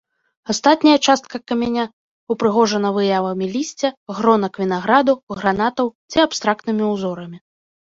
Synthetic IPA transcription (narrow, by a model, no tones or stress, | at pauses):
ast̪at̪ʲnʲɐjɐt͡ʂast̪̚kɐkɐmʲɛnʲa | upɾɨɣɔʐɐnɐvɨjavɐmʲilʲisʲt͡sʲɛɣɾɔnɐkvʲin̪aɣɾad̪uɣɾanat̪ɐwt͡sʲiapst̪ɾakt̪nɨmʲiuzɔɾɐmʲi